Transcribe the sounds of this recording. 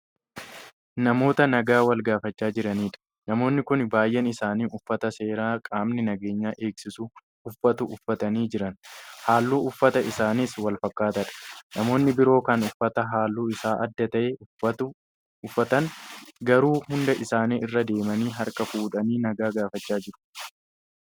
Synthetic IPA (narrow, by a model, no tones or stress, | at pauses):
nɐmo̞ːt̪ɐnɐɡaːwɐlɡaːfɐt͡ʃːaːd͡ʒɪɾɐniːᶑɐ̥ | nɐmo̞ːnːɪkʊnbaːjʔɛnɪsaːniːʔʊfːɐt̪ɐse̞ːɾaːkʼaːmnɪnɐɡe̞ːɲːaːʔe̞ːksɪsʊ | ʊfːɐt̪ʊʔʊfːɐt̪ɐniːd͡ʒɪɾɐnhaːlːuːʊfːɐt̪ɐʔɪsaːnɪswɐlfɐkːaːt̪ɐᶑɐ̥nɐmo̞ːnːɪbɪɾo̞ːkɐnʊfːɐt̪ɐɦaːlːuːɪsaːʔɐd̪ːɐt̪ɐʔeː | ʊfːɐt̪ɐnɡɐɾuːhʊnd̪ɐʔɪsaːniːʔɪrːɐd̪e̞ːmɐniːɦɐɾkɐfuːᶑɐniːnɐɡaːɡaːfɐt͡ʃːaːd͡ʒɪɾʊ̥